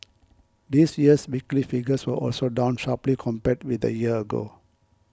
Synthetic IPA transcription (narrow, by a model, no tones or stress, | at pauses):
d̪isjiəswiklifiɡəswəʔɔ̰lsodãʊ̃nʃaplikʰɔ̃mpɛt̚wid̪ə̰jiəəɡo̰